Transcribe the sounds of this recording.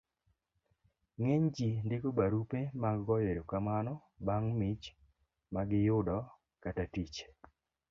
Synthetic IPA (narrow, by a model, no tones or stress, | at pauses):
ŋeɲd͡ʒindɪkobaɾupemaɡːɔjeɾokamanɔ | baŋmit͡ʃ | maɡɪjʊdɔ | katatit͡ʃ